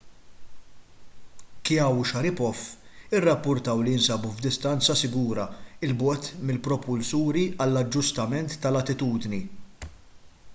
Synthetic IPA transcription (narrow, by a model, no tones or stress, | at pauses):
kjɐwʃɐɾɪpɔfːɪrːɐpːʊɾt̪ɐwlijɪnsɐbuvd̪ɪst̪ɐnt͡sɐsɪɡuːɾɐɪlbɔːt̪mɪlpɾɔpʊlsuːɾiɐlːɐd͡ʒːʊst̪ɐmɛnt̪ːɐlɐt̪ɪt̪uːd̪ni